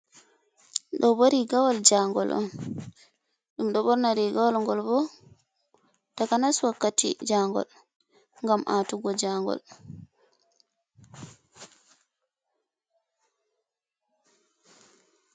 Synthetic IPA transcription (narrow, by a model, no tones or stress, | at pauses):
ɗɔboɾiɡawald͡ʒaŋɡɔ̰lɔ̰n | ɗumɗɔbɔɾnaɾiɡawalŋɡɔlbɔ | takanaswakːatḭd͡ʒaŋɡɔ̰l | ŋɡamʔatuɡɔd͡ʒaŋɡɔ̰l